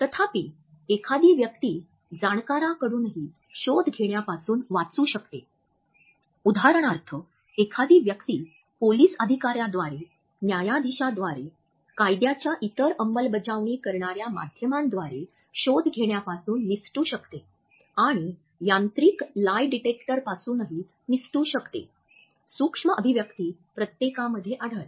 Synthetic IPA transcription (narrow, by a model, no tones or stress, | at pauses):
t̪ət̪ʰapiː | ekʰad̪iːʋjəkt̪iː | d͡zaɳkaɾakəɽuːnɦiː | ɕod̪ʱɡʱeɳjapasuːnʋat͡suːɕəkt̪ḛ | ud̪ʱaɾəɳ̃aɾt̪ʰə | ekʰad̪iːʋjəkt̪iː | poliːsəd̪ʱikaɾjad̪ʋaɾe | njajad̪iɕad̪ʋaɾe | kajd̪jat͡ɕjaʔit̪əɾəmːəlbəd͡zaʋɳiːkəɾɳaɾjama̰d̪ʱjəmand̪ʋaɾe | ɕod̪ʱɡʱeɽjapasuːnːisʈuːɕəkt̪e | aɽ̃i | jãnt̪ɾiːklajɖiʈekʈəɾpasuːnəɦi | nisʈuːɕəkt̪ḛ | sukʂməʔəbʱiʋjəkt̪iːpɾət̪jekaməd̪ʱːjeʔaɽ̤əɭ